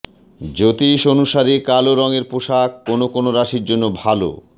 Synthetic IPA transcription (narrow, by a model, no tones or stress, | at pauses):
d͡ʑot̪iʃonuʃaɾikaloɾɔŋeɾpoʃakːonokonoɾaʃiɾd͡ʑonːobʱalo̰